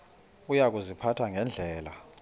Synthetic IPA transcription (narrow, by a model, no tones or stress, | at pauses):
ujak̬ʼuzipʰatʰaŋɛnd͡ɮʱɛːla̰